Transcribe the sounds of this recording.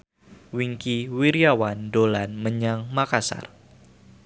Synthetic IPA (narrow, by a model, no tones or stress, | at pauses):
wiŋkiwiɾiawandolanməɲaŋmakasa̰r